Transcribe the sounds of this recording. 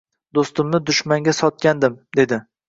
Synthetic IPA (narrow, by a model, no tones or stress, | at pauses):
d̪ost̪ɪmnɪd̪ʊʃmaŋɡʲasɒt̪̚kʲand̪ɪmd̪e̞d̪ɪ